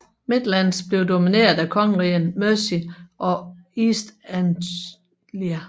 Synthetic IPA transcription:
me̝d̥lænsb̥le̝ʊd̥o̝mine̝̰ːɐð̩ˠækʰɒ̽ŋʁiənmøsiʔɒ̽isd̥æn | liæ

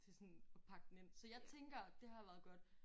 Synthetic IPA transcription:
t͡sʰe̝sɔ̽nɒ̽pʰɑ̈ɡ̥̚d̥n̩e̝n̰sɒ̽jɑ̈ɪt͡sʰeŋɡ̥ɐd̥e̝hɑ̈ʋæːɐðˠɡ̥ɒd̥

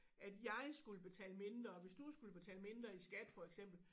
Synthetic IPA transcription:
æd̥jɑ̈ɪsɡ̥uləb̥e̝t͡sʰɛ̰ːləme̝nd̥ʁɐʋe̝sd̥usɡ̥uləb̥e̝t͡sʰɛ̰ːləme̝nd̥ʁɐisɡ̥æd̥fɒ̽eɡ̥sem̰b̥l̩

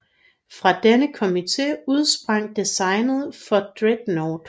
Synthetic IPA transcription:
fʁɑ̈d̥enəkʰo̝mit͡sʰe̝̰ːuð̞ˠsb̥ʁɑ̈ŋ̰d̥isɑ̈ɪnð̞̩ˠfɒ̽d̥ʁed̥noːd̥

